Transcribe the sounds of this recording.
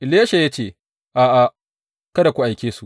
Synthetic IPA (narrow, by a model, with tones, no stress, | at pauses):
ʔɪ˨la˦ʃa˨ja˦t͡ʃeː˦˨ | ʔaː˨ʔa˨ | kɐ˦da˨kʷu˦ʔa˨jkʲeː˦su˨ʔ